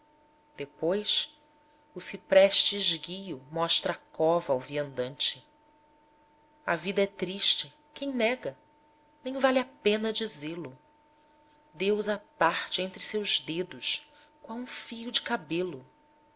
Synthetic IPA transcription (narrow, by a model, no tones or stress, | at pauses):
d̪̥epojʃ | ʊsipɾɛʃt͡ʃɪʒɡijʊmɔʃt̪ɾɐakɔvɐːwviɐ̃nd̪ɐ̃nt͡ʃɪ | ɐvid̪ɐɛt̪ɾiʃt͡ʃɪ | kẽj̃nɛɡɐ | nẽj̃valɪapẽnɐd͡ʒizelʊ | d̪ewzɐpaχt͡ʃɪẽnt̪ɾɪsewʒd̪ed̪ʊʃ | kwawũfijʊd͡ʒɪkabelʊ